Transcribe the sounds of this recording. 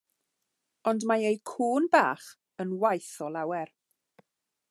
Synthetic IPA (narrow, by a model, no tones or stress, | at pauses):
ɔndmaejkʰuːnba̰ːχ | ənwajθɔlˠawɛr